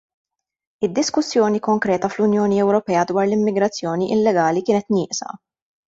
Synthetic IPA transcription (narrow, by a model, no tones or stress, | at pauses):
ɪd̪ːɪskʊsːjɔːnikɔŋkɾɛːt̪ɐflʊnjɔːniɛwɾɔpɛːɐd̪wɐːɾlɪmːɪɡɾɐt͡sːjɔːniʔɪlːɛɡɐːlikɪːnɛt̪nɪːʔsɐ̰